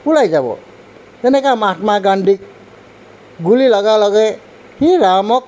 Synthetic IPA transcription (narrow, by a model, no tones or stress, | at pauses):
pulajd͡ʒabɔ̰ | d͡ʒʌnekamaʈmaɡaɳɖʱik̚ | ɡulilʌɡalʌɡej | hiɾamɔk̚